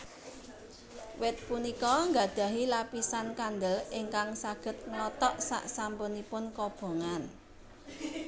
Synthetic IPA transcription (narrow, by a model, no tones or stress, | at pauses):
wɪt̪̚punikɔŋɡa̤d̪̥ä̤ɦilapisankand̪əlɪŋkaŋsaɡ̥ə̤t̪̚ŋlɔt̪ɔʔsa̰ʔsampʊnipʊnkɔb̥o̤ŋan